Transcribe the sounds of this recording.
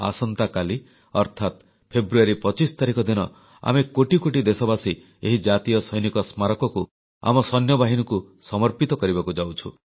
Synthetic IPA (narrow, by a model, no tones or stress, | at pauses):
a̰sɔnt̪akali | ɔɾt̪ʰat̪ | pʰebɾuaɾipɔt͡ʃist̪aɾikɔd̪inɔ | a̰mekoʈikoʈid̪esɔbasi | eɦid͡ʒat̪ijɔsɔjnikɔsmaɾɔkɔku | a̰mɔsɔnjɔbaɦinɔku | sɔmɔɾpit̪ɔkɔɾibakud͡ʒawt͡ʃʰṵ